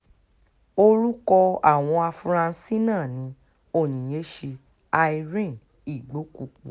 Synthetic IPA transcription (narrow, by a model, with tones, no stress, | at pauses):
o˧ɾu˦kɔ˧a˦˨w̃ɔ̃˧a˧fu˧ɾã˧˦˧si˦nãː˦˨nĩ˨˦ | o˦˨j̃ĩ˨j̃e˨˦ʃe˧ | a˧i˧ɾĩ˦˨n | i˨ɡ͡bo˨˦ku˨˧˨k͡pṵ˨